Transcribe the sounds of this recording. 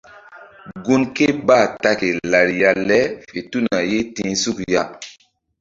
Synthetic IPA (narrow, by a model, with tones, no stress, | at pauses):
ɡu˦nke˦˨ba˦˨ta˦ke˨la˨ɾja˨lɛ˦fe˨tu˦na˨je˦tĩː˦su˦kja˦